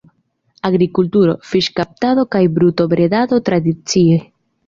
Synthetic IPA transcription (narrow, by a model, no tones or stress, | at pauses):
aɡɾikult̪uɾo̞̰fiʃkap̚t̪aðo̞kajbɾut̪o̞bɾed̪ad̪o̞t̪ɾad̪it͡sie